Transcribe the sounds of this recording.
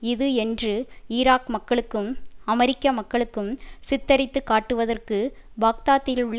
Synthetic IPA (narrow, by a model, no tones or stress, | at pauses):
ɪðɯɛndrɯɪɾaːkmɐkːɐɭɯkːɯmɐmɛɾɪkːɐmɐkːɐɭɯkːɯmsɪt̪ːɐɾɪt̪ːɯkːaːʈːɯʋɐðɐrkɯ | baːk̚t̪aːt̪ːɪlʊɭː